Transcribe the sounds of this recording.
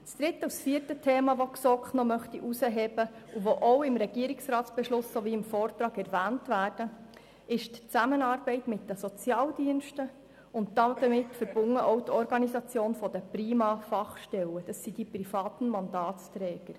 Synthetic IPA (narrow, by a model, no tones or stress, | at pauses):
sd̪̥ɾɪtːəusfiːəɾtətʰeːmɑʋoksɔkχnɔmœχt̪iʔusəɦɛːb̥əuvoʔowɪmɾɛɡ̥iəɾɪksrɑːtt͡sb̥ɛʃlʊsːoviːɪmfɔːrt̪ɾɑːɡɛɾvæːntvæːrd̥ə | ɪʃtt͡sæmənɑːɾbɛɪtmɪtd̥əsɔt͡sjɑːldiənʃtə | ʊnt̚d̥̪ɑd̥̪əmɪtfəɾb̥ʊŋːəʔɔʊtʰɔɾɡɑnisɑt͡sjoːnfɔd̥̪əpriːmɑfɑχʃtɛləd̥ɑsːid̥iprifɑːt̪n̩mɑndɑːtst̪ɾɛːɡ̥əɾ